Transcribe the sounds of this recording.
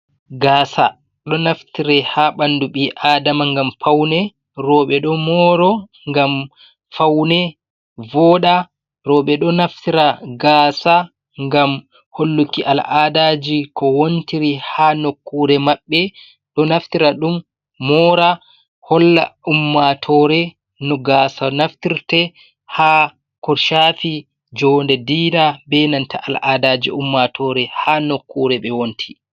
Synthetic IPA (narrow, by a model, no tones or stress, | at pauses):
ɡaːsa̰ | ɗɔnaftiɾɛhaɓanduɓiʔaːdamaŋɡamfawnɛ | ɾɔːɓɛɗɔmɔːɾɔ | ŋɡam | fawnɛ | vɔːɗa | ɾɔːɓɛɗɔnaftiɾaɡaːsa | ŋɡam | holːukːiʔalʔaːdad͡ʒikɔwontiɾihanokːuɾɛmaɓːɛ | ɗɔnaftiɾaɗumː | ɔːɾa | hɔlːa̰umːatʰɔɾɛ | nɔɡaːsanaftiɾtɛ | ha | kɔɾʃafi | d͡ʒɔndɛdiːnabɛnantaʔalʔadad͡ʒḭʔumːatʰɔɾɛhanokːuɾɛɓɛwontʰi̥